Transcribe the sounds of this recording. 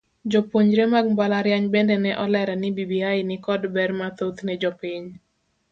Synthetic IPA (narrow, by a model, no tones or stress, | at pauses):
d͡ʒɔpoɲɾemaɡ̚mbalaɾjaɲbɛndɛnɛʔɔlɛɾɛnɪbibiajnɪkɔdbɛrmat̪ot̪nɛd͡ʒɔpiɲ